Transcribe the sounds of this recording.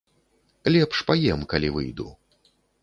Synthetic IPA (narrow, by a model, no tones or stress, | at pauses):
lʲɛpʂpajɛmkalʲivɨ̰jd̪ṵ